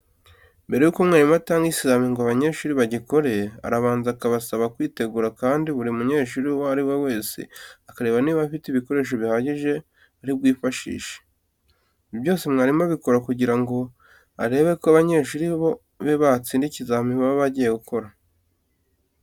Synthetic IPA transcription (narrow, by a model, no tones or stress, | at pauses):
mbe̞ɾe̞juːko̞mŋaːɾimataːŋɡisizamiŋɡoaβaɲe̞ɾʃuːɾiβaɟiko̞ɾe̞a̰ɾaβaːnzakaβasaβakwiːte̞ɡuɾakaːndiβuɾiumuɲe̞ːʃuɾiwoaɾiwewe̞ːsḛakaɾe̞ːβaniβafitiβiko̞ɾe̞ːʃ̬o̞βihaɟiʒe̞ | aɾib̚ɡwiːfaʃḭːʃe̥ | iβjo̞ːsemŋaːɾimaβiko̞ɾakuɟiɾaŋɡo̞ | a̰ɾe̞ːβe̞koaβaɲe̞ʃuɾiβo̞ | βeβat͡siːndicizamiβaβoβaɟije̞ɡukʰo̞ɾa